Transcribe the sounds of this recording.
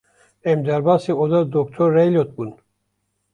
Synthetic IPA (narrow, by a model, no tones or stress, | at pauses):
ɛmd̪ɛɾbasiod̪ad̪ɔk̚t̪ʰɔɾːɛjlʲot̪̚bun